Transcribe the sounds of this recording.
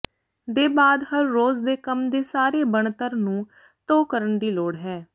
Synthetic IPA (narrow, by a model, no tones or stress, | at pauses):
d̪eːbaːd̪həɾːoːzd̪eːkəmd̪eːsaːɾeːbəɳt̪əɾnũː | t̪oːkəɾəɳd̪iːloːɽɦɛː